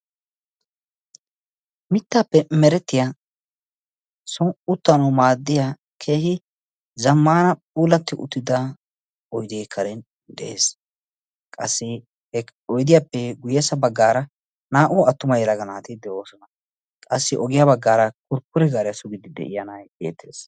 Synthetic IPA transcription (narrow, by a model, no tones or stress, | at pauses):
mɪt̪ːaːpːɛmɛɾɛt̪ːɪja | sɔŋʊt̪ːɐnɐwmaːd̪ːɪja | kʰe̞ːhɪ | zɐmːaːnɐpʼuːlɐt̪ːɪʔʊ̰t̪ːɪd̪ɐ | ɔjd̪eːkʰːɐɾɛn | d̪ɛ̰ʔḛːs | kʼɐ̰sːɪ | hɛɔjd̪ɪjapːɛɡʊjɛːsɐbɐɡːaːɾɐ | naːʔʊɐt̪ːʊmɐjlɐɡɐnaːt̪ɪd̪ɛoːsɔnɐ | kʼɐsːɪʔɔɡɪjabɐɡːaːɾɐkʊɾkːʊɾɛɡaːɾɛjɐsʊɡɪd̪ɪd̪ɛ̰ʔɪ̰jɐnɐjbḛːt̪ːḛːs